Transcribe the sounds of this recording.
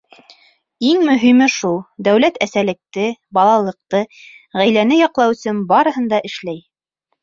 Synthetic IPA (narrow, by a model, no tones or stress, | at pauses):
iŋmɵ̆ɦimɘʃulˠd̪æwlæt̪æsælɘ̆k̚t̪ɘbɑlˠɑlˠɤ̆q̚t̪ɤ | ʁæjlænɘjɑqlˠɑwɵ̆sɘnbɑɾɤ̆ɦɤ̆nd̪ɑʔɘ̆ʃlæj